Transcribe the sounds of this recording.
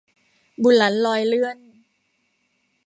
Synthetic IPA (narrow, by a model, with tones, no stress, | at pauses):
bu˨˩la˩˦˥nlɔː˧jlɯ˥˩ən